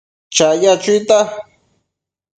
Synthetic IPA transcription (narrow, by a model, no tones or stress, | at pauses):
t͡ʃajat͡ʃʊjt̪a